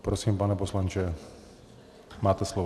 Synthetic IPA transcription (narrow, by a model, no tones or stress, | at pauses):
pɾosiːmpanɛposlant͡ʃɛ | maːt̪ɛsloʋ